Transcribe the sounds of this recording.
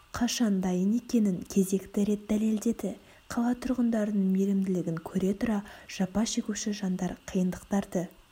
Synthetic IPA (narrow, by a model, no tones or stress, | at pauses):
qʰɑʃɑnd̪ɑjəne̞kʲe̞nɪŋkʲʰe̞ze̞kt̪ɪɾe̞t̪̚d̪æle̞ld̪e̞d̪ɪ | qʰɑlˠɑt̪ʰʊɾʁənd̪ɑɾənəɴme̞lɪmd̪ɪlɪɡʲɪŋkʲʰɵɾe̞t̪ʰʊɾɑʒ̥ɑpɑʃekʲuʃɪʒɑnd̪ɑɾqʰijənd̪əqt̪ɑɾd̪ə